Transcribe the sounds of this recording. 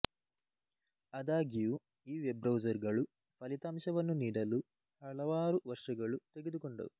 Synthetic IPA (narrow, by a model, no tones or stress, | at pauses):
ɐd̪aːɡiju | iːʋebɾɐwd͡ʒɐɾɡɐɭu | pɐlit̪aːmʃɐʋɐnːuniːɽɐlu | hɐɭɐʋaːɾuʋɐɾʂɐɡɐɭut̪e̞ɡed̪ukoɳɖɐ̰u